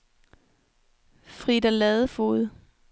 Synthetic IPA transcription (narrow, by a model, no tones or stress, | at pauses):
fʁid̥ælɛðˠəfo̝̰ːð̩ˠ